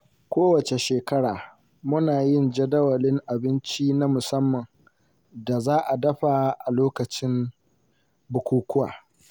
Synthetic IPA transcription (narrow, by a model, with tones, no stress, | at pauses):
kʷoː˦wɐ˨t͡ʃe˨ʃeː˨kɐ˦ɽaː˨ | mʊ˦naː˨jɪ˦˨nd͡ʒɐ˦dɐ˦wɐ˨lɪ˦ŋʔa˨bɪ˦nt͡ʃi˦na˦mʊ˨sɐ˦mːɐ˨ŋ | da˨zaː˦ʔa˨dɐ˦ɸa˨ʔa˨loː˦kɐ˨t͡ʃɪ˦m | bʊ˨kʷuː˦kʷʊ˦wa̰ː˨